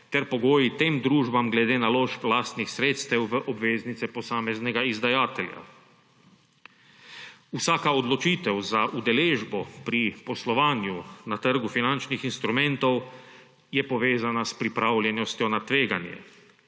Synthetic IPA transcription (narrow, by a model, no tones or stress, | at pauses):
t̪ɛɾpɔɡoːjit̪eːmd̪ɾuːʒbamɡlɛd̪eːnaloːʃplaːst̪nixsɾeːt̪st̪ɛwʋəʔɔbʋeːznit̪sɛpɔsaːmɛznɛɡaizd̪ajaːt̪ɛlʲja̰ | usaːkaɔd̪lɔt͡ʃiːt̪ɛwzaʔud̪ɛleːʒbɔpɾipɔslɔʋaːnjunat̪əɾɡufinant͡ʃnixinst̪ɾumɛ̃nt̪ɔw | jɛpɔʋeːzanaspɾipɾaːwlʲjɛnɔst̪jɔnat̪ʋeːɡanjɛ̰